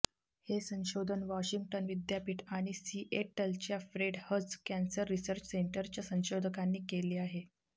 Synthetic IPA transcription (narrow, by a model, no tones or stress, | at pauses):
hesə̃w̃ɕod̪ʱənʋɔɕiŋɡʈənʋid̪japiːʈaɽ̃isiʔeʈəlt͡ɕjafɾeɖhəd͡zkansəɾːisəɾt͡ɕəseɳʈəɾt͡ɕjasə̃w̃ɕod̪ʱəkanːiːkeleːaɦe